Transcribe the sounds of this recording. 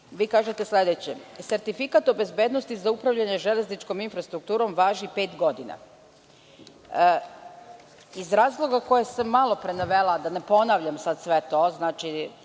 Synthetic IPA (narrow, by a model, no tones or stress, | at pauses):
ʋiːkaːʒet̪e̞sle̞d̪et͡ɕḛse̞ɾt̪ifikat̪obe̞zbed̪nost̪izaupɾaʋʎaɲeʒe̞lʲeznit͡ʃko̞minfɾast̪ɾuk̚t̪uːɾo̞mʋaːʒipe̞ːt̪ɡo̞d̪ina̰ | izɾaːzlˠo̞ɡako̞jesemalˠo̞pɾenaʋelad̪ane̞po̞naʋʎamsad̪sʋe̞t̪o̞znaːt͡ʃi